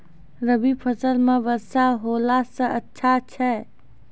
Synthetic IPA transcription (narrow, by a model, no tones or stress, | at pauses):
ɾəbipʰəsəlmebəsaɦolasə̃ʔətːʃʰat͡ʃʰɛ